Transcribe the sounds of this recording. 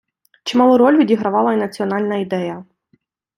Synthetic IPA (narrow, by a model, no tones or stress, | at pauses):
t͡ʃɪmɑlˠʊɾɔlʲʋʲidʲiɦɾɐʋɑlˠɐinɐt͡sʲiɔnɑlʲnɐid̪ɛjɐ